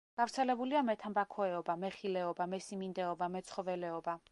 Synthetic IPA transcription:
ɡ̥avɾt̪sʰɛlɛbuliamɛt̪ʰambakʰɔɛɔbamɛχilɛɔbamɛsimind̪ɛɔbamɛt̪sʰχɔvɛlɛɔba

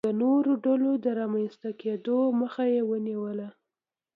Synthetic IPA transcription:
ənoɾoɖalod̪əɾɑmanst̪aked̪oməxajewəniwəla

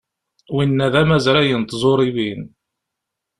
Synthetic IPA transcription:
winːæðæmæzɾæjənt̪zˤoɾˤivin

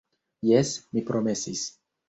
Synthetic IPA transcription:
jɛsmipɾomesis

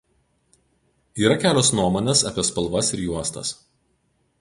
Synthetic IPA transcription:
iːɾɐkʲæːlʲoːsnuɔmoːnʲeːsɐ̰pʲiɛspɐlˠˑʋɐsɪɾjuɔst̪ɐ̰s

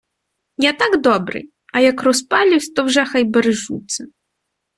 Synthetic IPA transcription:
nʲat̪aɡd̪ɔbɾɨ̰j | ɐjɐkrɔspalʲiwsʲt̪ɔwʐɛxajbɐɾɨʐut̪sɨ

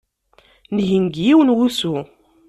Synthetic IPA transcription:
nʝinɡjiwənwusu

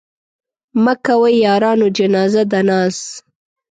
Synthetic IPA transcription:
makawəjjɑːɾɑnod͡ʒanɑzad̪anɑːs

